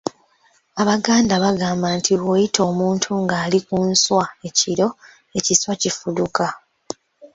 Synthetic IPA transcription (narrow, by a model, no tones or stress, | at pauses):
aβaɡaːndaβaɡaːmbantʰiwojitʰo̞ːmuːntʰuŋɡaːlikunswae̞ciɾo̞ | e̞ciswacifuduka